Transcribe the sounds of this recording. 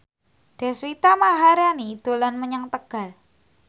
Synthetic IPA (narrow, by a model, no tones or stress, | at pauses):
d̥a̤swit̪amaɦaɾjanid̪̥olanməɲaŋt̪əɡ̥a̤l